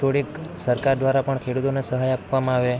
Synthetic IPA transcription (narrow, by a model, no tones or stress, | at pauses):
oɽiksəɾkaɾd̪ʋaɾapəɳkʰeɽut̪onesəɦajapʋamãaʋe